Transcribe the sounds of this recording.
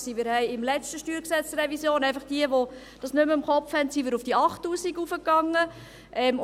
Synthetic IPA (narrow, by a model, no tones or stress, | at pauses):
simɪːɾhɛɪɪmlɛt͡stəʃtyːɾksɛt͡srɛvisjoːnɛɪfɑχd̥iəʋo | d̥ɑsnʏməɪmχɔpfhɛntsimɪːɾʊfd̥iɑχtːuːsiɡufəkːɑŋːə | ʔɛm